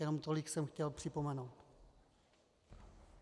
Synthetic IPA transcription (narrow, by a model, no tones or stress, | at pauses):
jɛno̞mt̪o̞lɪksɛmxcɛlpr̝̥ɪpo̞mɛnowt̪